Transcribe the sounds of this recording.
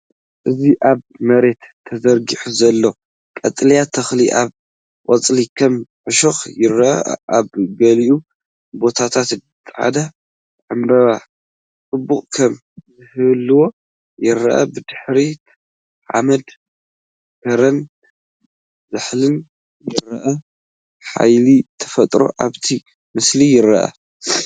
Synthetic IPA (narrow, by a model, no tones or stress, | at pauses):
ʔɨziʔaβmɐɾe̞t̪ʰːɐzɐɾɡiħuzɐlːo̞ | kʼɐ̰t̪ʼljat̪ʰɐxliʔaβ | ʔʼɔt͡sʼlikʰɐmʕɨʃoxjɪɾɐʔɐ̰ʔʔaβɡɐliʔu | bo̞t̪ʰat̪ʰat̪ | t̪ʼːħa̰d̪ɐ | ʕɨmbɐβa | t͡sʼɨbːuχʼkʰɐm | zɨhɨβlːɨwo̞ | jɪɾːɐʔɐ̰bɨd̪ɨħɾi | ʕa̰mɐd̪ | kɐɾɐn | zɨħlɨn | zɨɾɐʔɐ | ħa̰jlit̪ʰɐ̥fɐt̪ʼɾo̞̰ʔaβt̪ʰi | mɨslijɪɾɐ̰ʔɐ̰